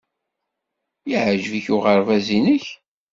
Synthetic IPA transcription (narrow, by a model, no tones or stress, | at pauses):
iʕəʒviçʊʁəɾvæzinəç